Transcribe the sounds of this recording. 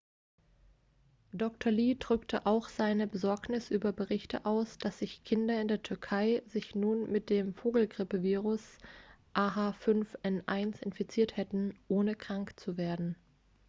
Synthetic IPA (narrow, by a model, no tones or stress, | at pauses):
d̥ɔktʰɐliːdʁʏktʰəʔaʊxz̥aɪnəbəzɔɐknɪsʔyːbɐbəʁɪçtʰə̰ʔaʊsd̥asz̥ɪçkʰɪndɐɪndeːɐtʰʏɐkʰaɪzɪçnuːnmɪt̚d̥eːmfoːɡl̩ɡʁɪpəviːʁʊsʔaːɦaːfʏnfʔɛnʔaɪnsɪnfit͡siːɐthɛtn̩ʔoːnəkʁ̥aŋkt͡suveːɐdn̩